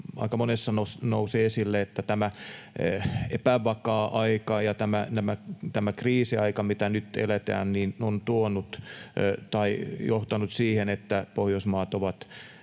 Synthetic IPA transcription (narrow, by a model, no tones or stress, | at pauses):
ɑ̰ikɑmonesːɑnosnouseːesilːeet̪ːæt̪æmæ | epæʋɑkɑːʔɑikɑjɑt̪æmænæmæt̪æmækriːsiɑikɑmit̪ænyt̪ḛlet̪æ̰ːnniːnont̪uonut̪ | t̪ɑijoht̪ɑnut̪siːhenet̪ːæpohjosmɑːt̪oʋɑt̪